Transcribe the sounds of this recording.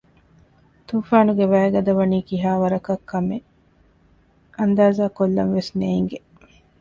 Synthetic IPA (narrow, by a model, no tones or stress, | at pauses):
t̪uːfaːnuɡeʋæːɡɐd̪ɐʋɐniːkiɦaːʋɐɾɐkɐkʰːɐme | ʔɐnd̪aːzaːkolːɐ̰nʋesneːŋɡe